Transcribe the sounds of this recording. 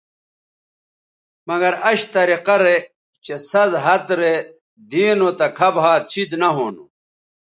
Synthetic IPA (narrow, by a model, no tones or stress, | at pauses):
mɐɡɐɾɐɕt̪ɐɾiqɐɾe | t͡ɕesɐzɦɐt̪ɾe | d̪iːnot̪ɐkʰɐbɦaːt̪̚t͡ɕʰid̪nɐɦoːnu